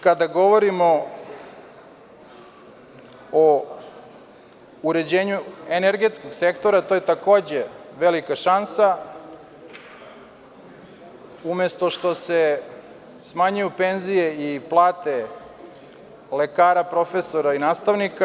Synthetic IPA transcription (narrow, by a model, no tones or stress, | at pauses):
kad̪aɡo̞ʋo̞ɾimo̞ | o | uɾe̞d͡ʑe̞ːɲueneɾɡe̞t̪sko̞ɡse̞kt̪o̞ɾat̪ojet̪ako̞ːd͡ʑe̞ʋe̞likaʃansa | umest̪o̞ʃt̪o̞se̞ | smaɲujupe̞nzije̞iplˠaːt̪e̞ | le̞kaːɾapɾo̞fe̞so̞ɾainaːst̪aʋnika